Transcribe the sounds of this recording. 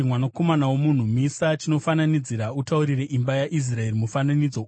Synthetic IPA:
imwanako̞manawomun̤umisat͡ʃino̞fananid͡ziɾautauɾire̞ʔimbajaʔis̬rae̞rimufananid͡zo

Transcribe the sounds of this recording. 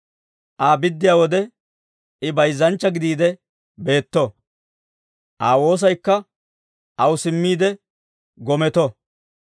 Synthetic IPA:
ʔaːbɪd̪ːɪjaːwɔd̪ɛ | ɪbɐjzːɐnt͡ʃːɐɡɪd̪iːd̪ɛ | be̞ːt̪ːɔ | ʔaːwo̞ːs̬ɐjkːɐ | ʔɐwʊsɪmːiːd̪ɛ | ɡɔmɛt̪ɔ

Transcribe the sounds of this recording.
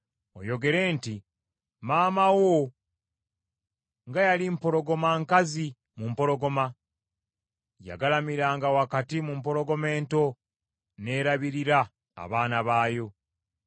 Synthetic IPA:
o̰jo̞ɡe̞ɾe̞ːnti | maːmawo | ŋɡajalimpo̞ɾo̞ɡo̞maŋkazi | mumpo̞ɾo̞ɡo̞ma | ja̰ɡalamiɾaːŋɡawakatimumpo̞ɾo̞ɡo̞me̞ːnto̞ | ne̞ːɾaβiɾiɾa̰ː | βaːnaβaːjo̞

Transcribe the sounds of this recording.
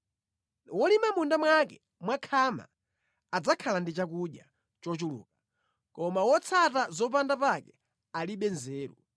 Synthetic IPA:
wɔlimamundamwakɛ | mwakʰama̰ː | d͡zakʰalandit͡ʃakuɗja | t͡ʃɔt͡ʃulṵːka | kɔmawɔt͡sʰatazɔp̬andapakɛ | aliɓɛnzɛːɾṵ

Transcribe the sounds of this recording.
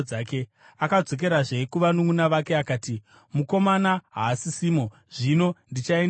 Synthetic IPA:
aːke | akad͡zo̞k̬e̞ɾaʐe̞kuʋanuŋunaʋake̞akaːti | muko̞manaɦaːsisiːmo̞ | ʐ̥ino̞ndit͡ʃaen

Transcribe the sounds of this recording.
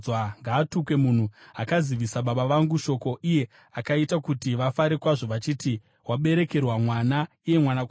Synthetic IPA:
waŋɡaːtukwe̞mun̤uakaziʋisaɓaɓaʋaŋɡuʃo̞ko̞ʔije̞ | akaitakutiʋafaɾe̞kwaʐo̞ʋat͡ʃiːti | waɓe̞ɾe̞ke̞rwamwana | ije̞mwanak

